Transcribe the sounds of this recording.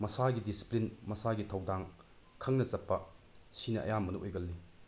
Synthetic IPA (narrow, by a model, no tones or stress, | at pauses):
mɐsaɡidisi̥plinmɐsaɡitʰɐwdaŋ | kʰɐŋnɐt͡ʃɐpːɐsinɐʔɐ̰jamɐnuʔojɡɐlːi